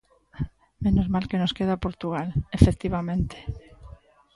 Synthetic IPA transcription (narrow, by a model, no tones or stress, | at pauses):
menozmalkenoskeð̞apoɾt̪uɣ̞alefek̚t̪iβamẽnt̪e̥